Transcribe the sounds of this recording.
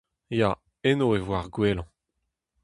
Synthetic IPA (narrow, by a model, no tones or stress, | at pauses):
ja | enoevwaʁɡwelɑ̃